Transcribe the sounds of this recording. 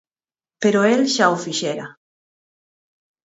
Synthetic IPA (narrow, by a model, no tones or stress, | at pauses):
peɾoelʃaofiʃeɾa